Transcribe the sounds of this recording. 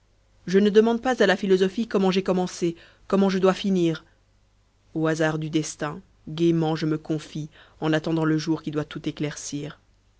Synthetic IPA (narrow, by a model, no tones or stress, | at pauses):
ʒənəd̪əmɑ̃d̪̚pazalafilɔzɔfikɔmɑ̃ʒɛkɔmɑ̃se | kɔmɑ̃ʒəd̪wafiniːʁ | oazaʁd̪yd̪ɛst̪ɛ̃ | ɡʲemɑ̃ʒəməkɔ̃fiɑ̃nat̪ɑ̃d̪ɑ̃ləʒuʁkʲid̪wat̪ut̪eklɛʁsiːʁ